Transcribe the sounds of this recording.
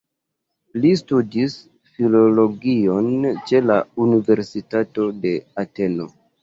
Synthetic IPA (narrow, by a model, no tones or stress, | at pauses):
listudis | filo̞lo̞ɡiont͡ʃe̞launive̞ɾsitato̞de̞ate̞lo̞̰